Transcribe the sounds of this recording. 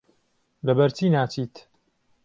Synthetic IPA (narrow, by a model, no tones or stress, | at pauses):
lɐbɐɾt͡ʃiːnaːt͡ʃiːt̪